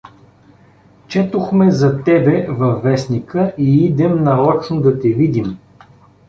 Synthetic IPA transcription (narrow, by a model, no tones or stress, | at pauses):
t͡ʃɛt̪oxmɛzɐt̪ɛbɛvɐfːɛsnikəʔiid̪ɛmnɐɾɔt͡ʃnʊd̪ɐt̪ɛvid̪im